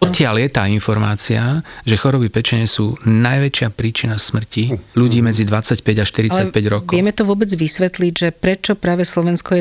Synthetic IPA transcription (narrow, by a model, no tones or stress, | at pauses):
ɔt̪cɪaljɛt̪aːinfɔɾmaːt͡siaʒɛxɔɾɔbipɛt͡ʃɛɲɛsuːnajʋɛt͡ʃɪapɾiːt͡ʃinasmr̩ciʎuɟiːmɛd͡zid̪ʋat͡sacpɛɟaʃt̪iɾit͡sac̚pɛɟɾɔkɔjɛmɛt̪ɔʋʊɔbɛd͡zʋisʋɛt̪liɟʒɛpɾɛt͡ʃɔpɾaːʋɛslɔʋɛnskɔjɛ